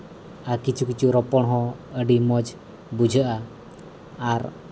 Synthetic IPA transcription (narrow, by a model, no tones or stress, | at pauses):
akit͡ʃukit͡ʃuɾɔpɔɳɦɔ̃əɖimɔd͡ʒ | bud͡ʒʱəʔaː | ɾ